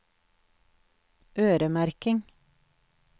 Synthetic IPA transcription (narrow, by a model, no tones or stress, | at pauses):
ʔøːɾəmæɾkɪŋ